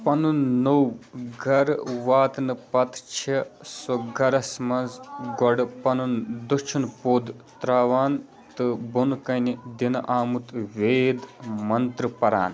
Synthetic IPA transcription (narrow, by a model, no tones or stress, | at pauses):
pɐnunnowɡʱɐɾʋaːt̪nɨpɐt̪t͡ʃʰisoɡʱɐɾɐsmɐnzɡɔɖpɐnund̪ut͡ʃʰunpoːd̪t̪ɾaːʋaːn | t̪ɨbunkɐnid̪inʔaːmut̪ʋeːd̪mɐnt̪ɾɨpɐɾa̰ːn